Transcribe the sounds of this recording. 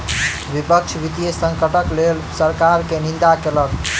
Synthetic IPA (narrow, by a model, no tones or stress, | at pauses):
ʋipəkt͡ʃʰʋit̪ijesə̃ŋkəʈəklelsəɾkaɾkenĩnd̪akelək